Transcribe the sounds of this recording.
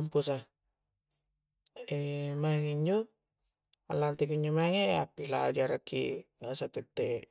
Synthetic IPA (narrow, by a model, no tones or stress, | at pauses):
mpusa | emaŋiɲd͡ʒo | a̰lːant̪ikiɲd͡ʒomaŋea̰pːilad͡ʒaɾakʰːḭasat̪et̪ːe